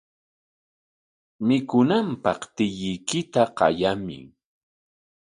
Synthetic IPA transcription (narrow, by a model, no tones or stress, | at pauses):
mɪkʊnampɑχt̪ɪʎɪjkɪt̪aqɑ̰jamɪ̰